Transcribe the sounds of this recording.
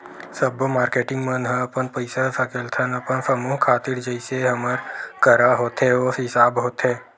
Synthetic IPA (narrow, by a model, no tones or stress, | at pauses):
səbmaːɾkeːʈɪ̃ŋɡmənɦə̃ɐpənpəɪsasakəlt̪ʰənəpənsɐmuːɦkʰaːt̪iɾd͡ʒəɪseɦɐməɾkəɾaɦoːt̪ɦɛoɦɪsaːbɦoːt̪ɦeː